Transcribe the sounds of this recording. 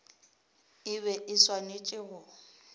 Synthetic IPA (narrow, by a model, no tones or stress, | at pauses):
ɪβɛʔɪswanet͡ʃʼɪɣʊ